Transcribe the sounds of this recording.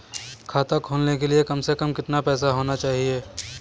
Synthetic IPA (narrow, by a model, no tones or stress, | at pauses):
kʰaːt̪akʰoːlnekeliekɐmsekɐmkɪt̪napɛːsaɦoːnat͡ʃaːɦieː